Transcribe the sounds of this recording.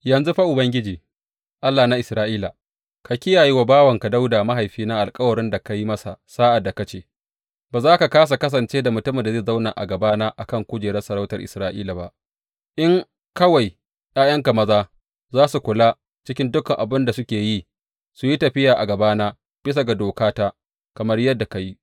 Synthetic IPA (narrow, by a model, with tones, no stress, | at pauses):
jɐ˨nzu˦ɸa˦ʔʊ˨bɐ˦ŋɡʲɪ˦d͡ʒiː˨ | ʔa˦lːaː˨na˦ʔɪ˨sɾaː˦ʔiː˦la˨ | ka˨kʲɪ˦jaː˨ji˦wa˨baː˦wɐ˨ŋka˨da˦wdaː˨ma˦ɦa˨jɸiː˦na˦ʔa˨lkʼɐ˦wɐ˨ɾɪ˦nda˨ka˦ji˦mɐ˦sa˨saː˦ʔa˨dːa˨ka˦t͡ʃeː˦ | baː˨zaː˦ka˨kaː˦s̬a˨kɐ˦s̬ɐ˨nt͡ʃeː˦da˨mʊ˨tʊ˦mɪ˨nda˨zeː˦˨za˦wna̰ː˨ʔa̰˨ɡɐ˨baː˦naː˦ʔa̰˨kɐ˦˨ŋkʷʊ˦d͡ʒeː˨ɾɛ˦sɐ˨ɾa˦wtɐ˨rʔɪ̰˨sɾaː˦ʔḭː˦la˨ba̰˦ | ʔɪ˦ŋ | kɐ˦wa˨j | jaː˦jɐ˦ŋka˨mɐ˦zaː˦ | zaː˦su˨kʷʊ˨la˦ | t͡ʃɪ˦kʲɪ˦ndʊ˦kɐ˨ŋʔa̰˨bɪ˦nda˨sʊ˦kʲeː˨ji˦ | su˨ji˦tɐ˨ɸɪ˦jaː˨ʔa˨ɡɐ˨baː˦naː˦ | b̥ɪ˦s̬a˨ɡa˨doː˨kaː˦taː˦ | kɐ˨mɐ˦rjɐ˦dːa˨ka˨ji˦